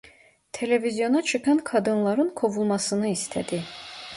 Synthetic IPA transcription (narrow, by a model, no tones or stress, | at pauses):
t̪ʰe̞levizjo̞nɑt͡ʃʰɯkʰɑnkʰɑd̪ɯnlˠɑɾɯnkʰo̞vulˠmɑsɯnɯist̪ʰæd̪i